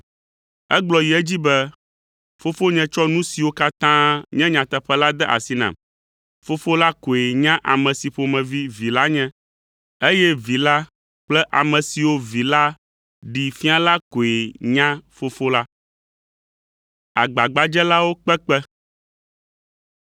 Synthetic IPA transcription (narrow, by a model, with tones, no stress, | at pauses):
ɛ˦ɡ͡blɔ˨ji˨ɛ˦d͡ʑi˦bɛ˦ | fo˦fo˦ɲɛ̃˨t͡ʃɔ˦nũ˦si˨wo˦ka˦t̪ã˦ɲɛ̃˦ɲã˨t̪ɛ˦ɸɛ˦la˦d̪ɛ˦ʔa̰˨si˦nã̰˨m | fo˦fo˦la˦ko˨e˨ɲã˦ʔa˨mɛ̃˨si˨ɸo˨mɛ̃˨vi˦vi˨la˦ɲɛ̃˦ | e˦jɛ˦vi˨la˦ | k͡plɛ˦ʔa˨mɛ̃˨si˨wo˦vi˨la˦ | ɖi˨fi˦a˦la˦ko˨e˨ɲã˦fo˦fo˦la˦ | a˨ɡ͡ba˨ɡ͡ba˨d͡ʒɛ˦la˦wo˦k͡pɛ˦k͡pɛ˦